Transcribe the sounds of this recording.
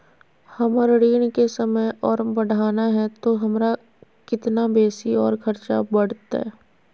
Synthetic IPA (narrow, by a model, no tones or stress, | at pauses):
hɐməɾɽiːnkesɐməjɔːɾbɐɽ̤aːnaɦɛt̪oɦɐmɾa | kɪt̪nabeːsiɔːɾkʰɐɾt͡ʃa̰bɐɽ̤t̪aɛ̰ː